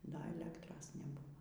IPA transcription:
dɐ ɛˈlʲæːktroːs nʲɛˈbʊʋoː

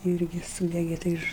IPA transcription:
ˈɪrʲɡʲɪ ˈsuːdʲɛɡʲɛ tɐɪ ˈɪʃ

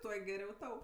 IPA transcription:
ˈtuɔ ɡʲɛˈrʲɛʊ ˈtɐʊ

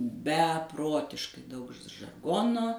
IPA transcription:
bʲɛˈproːtʲɪʃkɐɪ ˈdɐʊk ʒɐrˈɡoːnoː

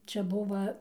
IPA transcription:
ˈt͡ʃʲɛ ˈbʊʋɐ

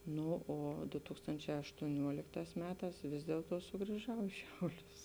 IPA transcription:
ˈnoː oː dʊ ˈtuːkstoːnʲt͡ʃʲɛː ɐʃtuɔˈnʲuɔlʲɪkˌtɑːs ˈmʲæːˌtɑːs ˈʋʲɪs dʲiɛlˠˌtuɔ sʊɡrʲiːˈʒɐʊ ɪ ˈʃʲɛʊˌlʲʊs

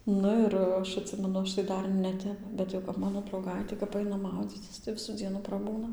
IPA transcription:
ˈnʊ ɪr ˈɐʃ ɐtʲˈsʲɪmʲɛnʊ ˈɐʃ tɐɪ ˈdɐr nʲɛˈtʲɛp ˈbʲɛt jɛʊ kɐp ˈmɑːnoː drɐʊˈɡɐɪtʲeː kɐp ˈɐɪnɐ ˈmɐʊd͡zʲiːt͡sʲɪs tɐɪ ˈʋʲɪsuː ˈd͡zʲiɛnuː prɐˈbuːnɐ

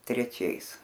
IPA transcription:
tʲrʲɛˈt͡ʃʲɛɪs

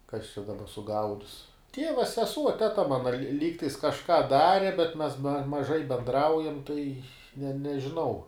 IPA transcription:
kɐs t͡ʃʲɛ dɐˈbɐ sʊˈɡɐʊdʲɪs ˈtʲiɛʋɐ sʲɛˈsuɔ tʲɛˈtɐ ˈmɑːnɐ lʲɪ ˈlʲiːktɐɪs kɐʃˈkɑː ˈdɑːrʲɪ bʲɛt mʲɛs mɐˈʒɐɪ bʲɛnˈdrɐʊjɛm tɐɪ nʲɛ nʲɛʒʲɪˈnɐʊ

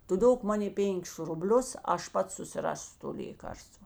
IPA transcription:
ˈtʊ ˈdoːk ˈmɑːnʲeː ˈpʲeːŋʲkʲɪs rʊˈbʲlʲʊs ˈɐʃ ˈpɐts sʊsʲɪˈrɑːsʲʊ toː ˈlʲeːkɐrstʋɐ

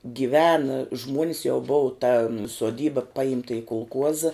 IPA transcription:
ɡʲɪˈʋʲæːnɐ ˈʒmuɔnʲɪs jɛʊ ˈboːʋɐ tɐ suɔˈdʲiːbɐ ˈpɐɪmtɐ ɪ kʊlˠˈkuɔzɐ

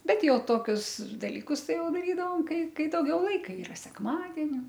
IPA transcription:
ˈbʲɛt ˈjɛʊ ˈtoːkʲʊs dɐlʲiːˈkʊs ˈtɐɪ ˈjɛʊ dɐˈrʲiːdɐʋoːm ˈkɐɪ ˈkɐɪ dɐʊˈɡʲɛʊ ˈlˠɐɪkɐ ˈiːrɐ sʲɛkˈmɑːdʲɛnʲɪ

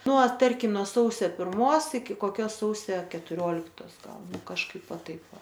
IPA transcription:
ˈnuɔ ˈtɐrʲkʲɪm nuɔ ˈsɐʊsʲɛ pʲɪrˈmoːs ɪkʲɪ koːˈkʲoːs ˈsɐʊsʲɛ kʲɛtʊˈrʲoːlʲɪktoːs ˈɡɐlˠ nʊ kɐʃˈkɐɪp ˈʋɐ ˈtɐɪp ˈʋɐ

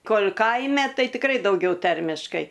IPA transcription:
ˈkoːlʲ ˈkɐɪmʲɛ ˈtɐɪ tʲɪkˈrɐɪ dɐʊˈɡʲɛʊˈtɐrʲmʲɪʃkɐɪ

